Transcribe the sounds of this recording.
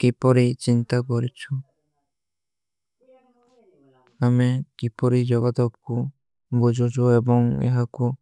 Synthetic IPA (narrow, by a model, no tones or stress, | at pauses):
kipɔɾit͡ʃint̪akɔɾit͡ʃʰu | amekipɔɾid͡ʒɔɡad̪ɔp̚ku | bud͡ʒʱɔd͡ʒʰɔebɔŋḛɦaku